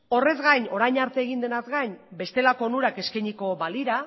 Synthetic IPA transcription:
o̞re̞zɣajɲo̞ɾajɲaɾt̪e̞ːɣ̞ind̪e̞nazɡaɲbe̞st̪e̞lako̞nuɾake̞skejɲiko̞βaliɾa

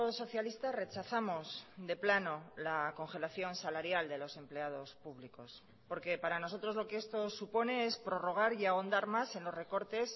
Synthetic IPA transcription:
so̞θjalist̪are̞t͡ʃaθamo̞sðe̞plano̞lako̞ŋxe̞laθjo̞nsalaɾjald̪e̞lo̞se̞mple̞að̞o̞spuβliko̞s | po̞ɾke̞paɾano̞so̞t̪ɾo̞zlo̞keest̪o̞supo̞ne̞e̞spɾo̞ro̞ɣ̞aɾiaond̪aɾmase̞nlo̞zre̞ko̞ɾt̪e̞s

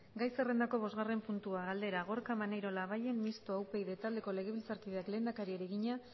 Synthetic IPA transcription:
ɡajse̞re̞nd̪ako̞β̞o̞zɣare̞mpunt̪uaɣald̪e̞ɾaɣo̞ɾkamanejɾo̞laβaje̞mmist̪oawpe̞jðe̞t̪ald̪e̞ko̞le̞ɣ̞e̞βilt͡saɾkiðe̞akle̞ːnd̪akaɾieɾeɣiɲa

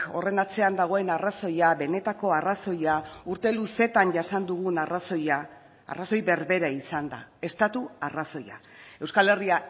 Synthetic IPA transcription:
o̞re̞nat͡se̞and̪aɣ̞o̞e̞naraso̞jaβe̞ne̞t̪ako̞araso̞jauɾt̪e̞luse̞t̪anʝasand̪uɣ̞unaraso̞ja̰ː | raso̞jβe̞ɾβe̞ɾaisand̪a̰e̞st̪at̪uaraso̞ja̰ | e̞wskale̞ria

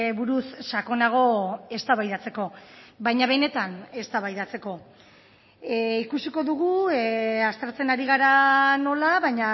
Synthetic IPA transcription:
βuɾusʃako̞naɣ̞o̞e̞st̪aβajðat͡se̞ko̞βajɲaβe̞ne̞t̪ane̞st̪aβajðat͡se̞ko̞ | ikusiko̞ðuɣ̞u | ast̪eɾt͡se̞naɾiɣ̞aɾano̞laβajɲa

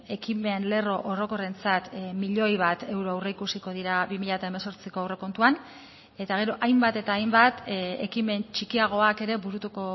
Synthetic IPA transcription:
e̞kime̞nle̞ro̞ʔoro̞ko̞re̞nt͡sat̪miʎo̞jβ̞at̪e̞wɾoawreikusiko̞ðiɾaβimiʎat̪ae̞me̞so̞ɾt͡siko̞awre̞ko̞nt̪uan | e̞t̪aɣ̞e̞ɾo̞ʔajmbat̪e̞t̪aːjmbat̪e̞kime̞nt͡ʃikiaɣ̞o̞ake̞ɾe̞βuɾut̪uko̞

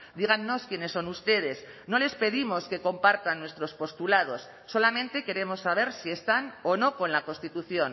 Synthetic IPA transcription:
d̪iɣ̞anːo̞skjene̞sːo̞nust̪e̞ð̞e̞s | no̞le̞spe̞ðimo̞ske̞ko̞mpaɾt̪anːwe̞st̪ɾo̞spo̞st̪ulað̞o̞sːo̞lamẽ̞nt̪e̞ke̞ɾe̞mo̞sːaβ̞e̞ɾsie̞st̪ano̞no̞ko̞nlako̞nst̪it̪uθjo̞n

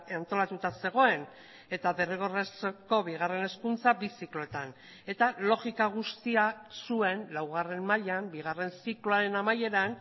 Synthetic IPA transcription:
ant̪o̞lat̪ut̪ase̞ɣ̞o̞e̞n | e̞t̪aβe̞riɣ̞o̞resko̞βiɣ̞are̞ne̞skunt͡sabisikloe̞t̪an | e̞t̪alo̞ɣikaɣ̞ust̪iasue̞nlawɣ̞are̞mːaʎambiɣ̞are̞nsikloaɾe̞namaje̞ɾan

